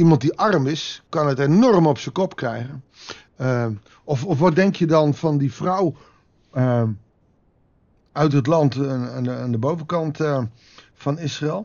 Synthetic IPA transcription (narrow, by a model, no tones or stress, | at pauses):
imɑnt̚diʔɑrmɪskɑnətenɔrmɔpsəkɔpkrɛjɣən | ɔfɔfʋɔt̚dɛŋkjədɔnfɔndifrɔw | œɥtɦət̬lɑntnandəbowvəkɑnt | fɔnɪsraɛlˠ